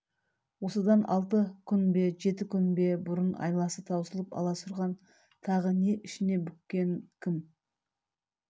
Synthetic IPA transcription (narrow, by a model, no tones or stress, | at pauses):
wo̞səd̪ɑnʔɑlˠt̪əkʲʰʏnbe̞ʒe̞t̪ɪkʲʰʏnbe̞bʊɾʊnɑ̰jlˠɑsət̪ʰɑwsəlˠəpɑ̰lˠɑsʊɾʁɑn | t̪ʰɑʁəneʔɪʃɪne̞bʏkʲːe̞ŋkʲʰɪm